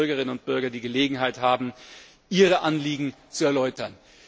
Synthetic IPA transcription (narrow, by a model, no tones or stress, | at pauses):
ɐɡɐʁɪnənʊnt̚b̥ʏɐɡɐdiːɡəleːɡŋ̩ɦaɪthaːbm̩ | ʔiːʁəʔanliːɡŋ̩t͡suɛɐlɔʏtɐn